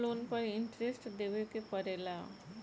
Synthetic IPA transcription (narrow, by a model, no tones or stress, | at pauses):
lonpəɪɳʈɾesʈd̪eʋekepəɾela